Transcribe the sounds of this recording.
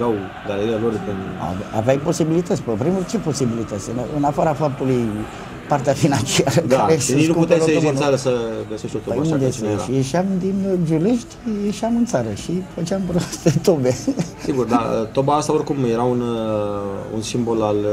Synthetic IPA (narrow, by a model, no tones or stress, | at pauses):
aw | d̪aleɾialorpena̰va̰veajpo̞sibilit̪ət̪sʲpəpɾimurt͡ʃe̞po̞sibilit̪ət̪sʲɨnɨnafaɾafap̚t̪uluj | part̪eafinant͡ʃiaɾək̪aɾeeninukuput̪eseoinsaɾəsəɡəseʃt̪ot̪opmud̪eseʃijeʃiamd̪inʒule̞ʃt̪ʲjeʃiamɨnt̪saɾəʃifət͡ʃampɾoast̪et̪obesiɡurd̪aət̪obaast̪aorkumjeɾaun | ṵnsimbo̞lal